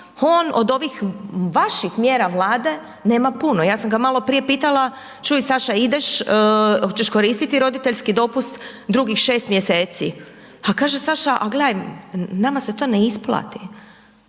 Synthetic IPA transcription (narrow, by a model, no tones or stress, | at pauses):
oːno̞̰d̪o̞ʋixʋaʃixmje̞ːɾaʋlˠaːd̪e̞ | ne̞ːmapunojaːsamɡamalo̞pɾijepiːt̪alˠa | t͡ʃujsaʃaid̪eʃ | ot͡ʃe̞ʃko̞ɾiːst̪it̪iɾo̞d̪it̪e̞ʎskid̪o̞pust̪ | d̪ɾuɡixʃe̞ːst̪mjeseːt̪si | akaːʒesaʃaʔaɡleajmnamase̞t̪o̞ːneisplˠa̰t̪i